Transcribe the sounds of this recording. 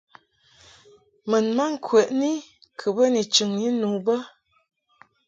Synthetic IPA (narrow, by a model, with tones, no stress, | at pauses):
mə˨nma˦ŋ̩˦˨kʰwɛ˨ʔni˦kʰə˨bə˦ni˨t͡ʃɨ˨ŋji˦nu˨bə˦